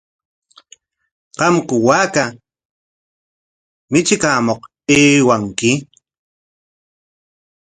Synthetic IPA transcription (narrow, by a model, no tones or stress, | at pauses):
qɑmkʊwaːka | mɪt͡ʃɪkaːmoq | eːwaŋkɪ